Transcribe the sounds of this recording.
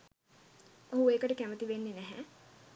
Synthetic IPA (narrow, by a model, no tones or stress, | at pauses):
oɦueːkəʈəkæmət̪iʋenːinæɦæ